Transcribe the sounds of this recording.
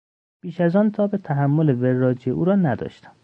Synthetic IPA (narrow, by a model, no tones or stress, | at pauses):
b̥iːʃæzɒːnt̪ʰɒːbet̪ʰæɦæmːole̞verːɒːd͡ʒeʔuːɾɒːnæd̪ɒ̰ːʃt̪æ̥m